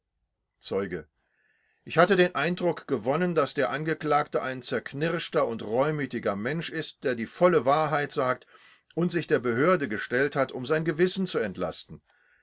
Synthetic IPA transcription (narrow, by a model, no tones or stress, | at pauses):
t͡sɔʏɡə | ʔɪçhatədeːnʔaɪndʁʊkɡ̥əvɔnəndasd̥eːɐʔanɡəkl̥aːktəʔaɪnt͡sɛɐkʰnɪʁʃtɐʊntʁɔʏmyːtɪɡɐmɛnʃɪst̚d̥eːɐdiːfɔləvaːɐɦaɪtz̥aːk̚t | ʔʊntz̥ɪçd̥eːɐbəɦøːɐdəɡəʃtɛlthatʊmzaɪnɡəvɪsn̩t͡suɛntla̰stn̩